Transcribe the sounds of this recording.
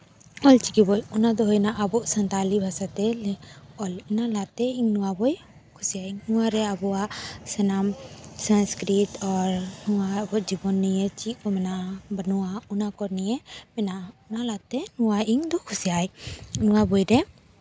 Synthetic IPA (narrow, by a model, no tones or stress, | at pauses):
ɔlt͡ʃikibɔjɔnad̪ɔɦɔjnaʔabɔʔsant̪alibʱasat̪ɛlɛɔlinalat̪ɛiŋnuwabɔj | kʰusijaiŋnuwaɾɛabɔaʔsɛnamsanskɾit̪ɔɾnuwabɔʔd͡ʒibɔnːɛjɛt͡ʃiʔkɔmɛnabanuwaɔnakɔɾnɛjɛmɛnaɔnalat̪ɛnuwaʔiŋd̪ɔkʰusijajnuwabɔjɾɛ